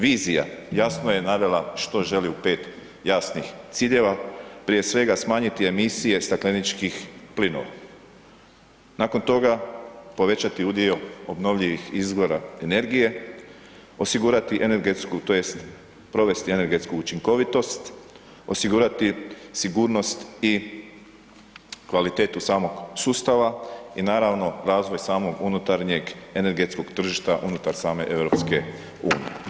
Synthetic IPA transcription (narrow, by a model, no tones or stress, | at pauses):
ʋiːzija̰jasnoje̞naʋe̞laʃt̪o̞ʒe̞liupe̞ːt̪ | jasnixt̪siːʎe̞ʋapɾije̞sʋe̞ɡasmaːɲit̪ie̞misije̞st̪aklenit͡ʃkixplino̞̰ʋa̰ | nako̞nt̪o̞ɡapo̞ʋe̞t͡ɕat̪iud̪io̞o̞bno̞ʋʎiʋixizɡo̞ɾae̞ne̞ɾɡije̞ | o̞siɡuːɾat̪iʔene̞ɾɡe̞t̪skut̪o̞jest̪ | pɾo̞ʋe̞st̪ie̞ne̞ɾɡe̞t̪skuut͡ʃiŋko̞ʋit̪o̞st̪ | o̞siɡuɾat̪isiɡuːɾno̞st̪i | kʋalit̪e̞ːt̪usaːmo̞ɡsuːst̪aʋainaːɾaʋno̞ɾaːzʋo̞jsaːmo̞ɡunut̪aɾɲe̞ɡe̞ne̞ɾɡe̞t̪sko̞ɡt̪r̩ʒiʃt̪aʔunut̪aɾsaːme̞ʔe̞ʋɾo̞ːpske̞ | uːnḭjḛ